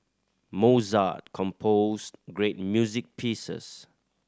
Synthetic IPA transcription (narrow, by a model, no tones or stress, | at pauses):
moza̰t̚kʰɔ̃mpʰosɡɹet̚mjuzik̚pʰisə̰s